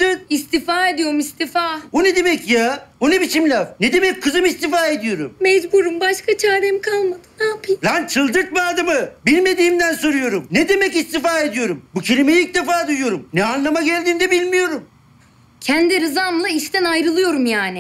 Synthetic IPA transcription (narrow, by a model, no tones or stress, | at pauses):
ɯist̪ifaːe̞d̪ijo̞ɾumist̪ifabuned̪e̞mɛcjabunebit͡ʃʰimlʲavned̪e̞mɛc̚kʰːɯzɯmist̪ifaːe̞d̪ijo̞ɾummɛzbuɾumbaʃkat͡ʃʰaːɾɛmkʰalˠmad̪ɯnaːpʰɯjbant͡ʃʰɯlˠd̪ɯɾt̪̚bad̪amɯbilʲme̞d̪iːmd̪ænsoɾujo̞ɾumned̪e̞mɛcist̪ifaːe̞d̪ijo̞ɾumbucʰelʲimejic̚d̪efaːd̪ujujo̞ɾumnɛanlˠamaɟælʲd̪iːnd̪ɛbilʲmijo̞ɾum | cʰænd̪iɾɯzamlˠaiʃt̪ænajɾɯlˠɯjo̞ɾumjaːnɪ